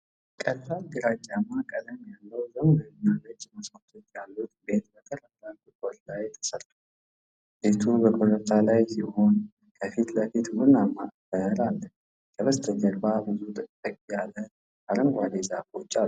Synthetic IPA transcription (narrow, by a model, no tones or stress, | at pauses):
kʼəlfald̪ɨɾat͡ʃʼːamːakʼəd̪əmjalːəwzəmləɲːalət͡ʃːməsmət̪ʰot̪jalːut̪be̞t̪̚bət̪ʰəɾəb̪lant̪ɨkʼot̪lajt̪ʰə̥səɾt̪ʰʼo | be̞t̪ʰubəkʼoɾət̪ʰalajsiho̞n | kʰəfit̪ləfit̪mʊnamabəɾalːə | kʰəβəst̪ʰʼəɡəɾbabɨzut̪ʼɨkʼt̪ʼəkʼijalə | aɾəŋɡʷad̪ezafot͡ʃʼːalːu